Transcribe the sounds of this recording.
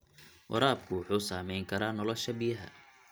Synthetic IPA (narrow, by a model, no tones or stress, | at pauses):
wʔɑ̰ɾaːb̚kʰʊwʊħuːsaːmɛjŋkʰɐɾaːnɔlɔʃɐbɪjɐɦɐ̰